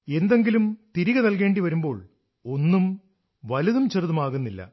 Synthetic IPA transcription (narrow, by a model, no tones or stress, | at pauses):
e̞nd̪e̞ŋɡilumt̪iɾiɣɐnɐlke̞ːɳɖiʋɐɾumbo̞ːɭ | o̞nːum | ʋɐlɐðumt͡ɕerðɐmaːɣunːilːɐ̰